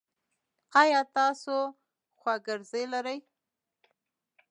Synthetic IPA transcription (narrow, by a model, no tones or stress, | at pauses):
qɑjɑt̪ɑso | xwaɡɪɾzəjlaɾəj